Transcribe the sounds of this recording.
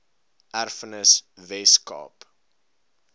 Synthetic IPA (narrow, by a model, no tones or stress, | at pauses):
ʔærfənəsvɛskɑ̰ːp